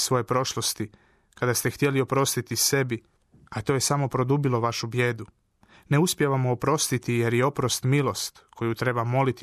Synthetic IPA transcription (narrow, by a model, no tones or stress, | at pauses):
sʋo̞je̞pɾo̞ʃlˠost̪i | kad̪ast̪ext̪je̞lio̞pɾo̞st̪it̪ise̞bi | at̪o̞ːjesamo̞pɾo̞d̪ubilo̞ʋaʃubje̞ːd̪u | ne̞uspjeʋamoopɾo̞st̪it̪ije̞ɾjeo̞pɾost̪milˠo̞st̪kʰo̞jut̪ɾe̞bamo̞lit̪